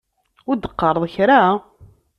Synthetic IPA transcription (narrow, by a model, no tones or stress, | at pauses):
ʊɾd̪ːəqːɑɾˤəðˤçɾa